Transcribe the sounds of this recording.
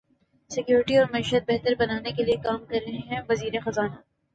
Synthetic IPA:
sɪkjuːɾɪʈiɔːɾmɐiːʃət̪̚bɛɦt̪əɾbɐnaːnekeliekaːmkɐɾːɐɦẽɦɛ̃ʋɐziːɾexɐzaːna

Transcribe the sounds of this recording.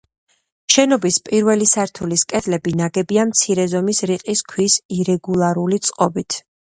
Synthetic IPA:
ʃɛnɔbispʼiɾvɛlisaɾt̪ʰuliskʼɛd̪ʰlɛbinaɡɛbiamt̪sʰiɾɛzɔmisɾiqʼiskʰwisiɾɛɡulˠaɾulit̪sʼqʼɔbit̪ʰ

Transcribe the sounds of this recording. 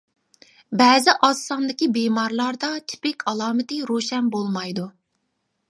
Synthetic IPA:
bɛːzɪʔɑsːɑnd̪ɪkʲibemɑɾlˠɑɾd̪ɑt̪ʰɪ̥pɪkʲʰɑlˠɑːmɪt̪ɪɾoʃɛnbolˠmɑjd̪u

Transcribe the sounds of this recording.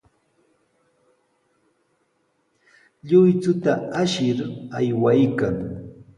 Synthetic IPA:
ʎʊjt͡sʊt̪aaʃɪɾajwajkaŋ

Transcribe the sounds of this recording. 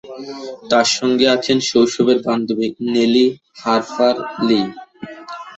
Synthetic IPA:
t̪aɾʃɔŋɡeat͡ɕʰenʃowʃobeɾband̪obineli | haɾfaɾli

